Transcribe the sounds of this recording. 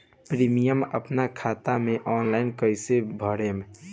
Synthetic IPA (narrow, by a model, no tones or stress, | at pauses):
pɾiːmijəmə̰pnakʰaːt̪amẽʔɔːnlaːɪnkəɪsebʱəɽem